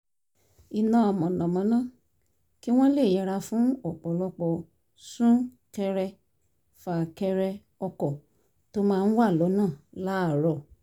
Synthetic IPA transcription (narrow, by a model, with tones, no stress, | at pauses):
i˨nã˨˦ɔ˨mɔ̃˨nã˨mã˨˦nã˦˨ | ki˦w̃ɔ̃˦le˦˨jɛ˨˧ɾa˧fũ˨˦ɔ˨k͡pɔ˨˦lɔ˦k͡pɔ˧ | sũ˦ | kɛ˧ɾɛ˧ | fa˨kɛ˧ɾɛ˧ | ɔ˧kɔ˨ | to˦mãː˦˧n̩˦wa˦˨lɔ˨˦nãː˦˨la˨˦˨ɾɔ˨